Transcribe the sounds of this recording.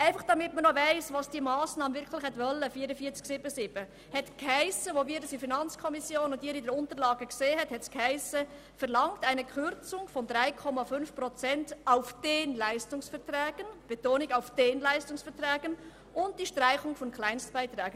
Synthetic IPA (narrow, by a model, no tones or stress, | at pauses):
ʔaɪfɑχd̥ɑmɪtmənɔvaɪsvɑːsd̥iːmɑːsnɑːmənvɪɾkʰlɪxhɛtvœlːəfiːɾəfiːət͡sksɪbəsɪb̥ə | hɛtkʰaɪsəʋoviːdəsifinɑnt͡skʰɔmɪsjoːnʊndiːɾidɛɾʊntəlɑːɡəkseːhɛthɛtskʰaɪsə | fɛɾlɑŋtaɪnəkʰχʏɾt͡sʊŋfɔndɾaɪkʰɔmɑfʏnfpɾɔt͡sɛntaʊfd̥enlæɪstʊŋsfɛɾtrɛːɡ̥ənb̥ɛtoːnɪɡaʊfd̥enlæɪstʊŋsfɛɾtrɛːɡ̥ən | ʔʊnt̚d̥iʃtɾaɪχʊŋfɔnkʰlaɪnstb̥aɪtɾɛːɡ̥ə